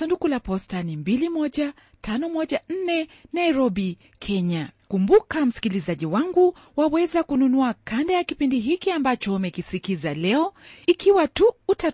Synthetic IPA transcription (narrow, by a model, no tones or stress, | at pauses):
sandukulapɔstanimbilimɔʄa | tanɔmɔʄan̩nɛnaiɾɔɓi | kʰɛɲakumbukam̩si̥kilizaʄiwaŋɡu | wawɛzakununuakandajakipindiɦikiambat͡ʃɔumɛkisikizalɛɔikiwatuːta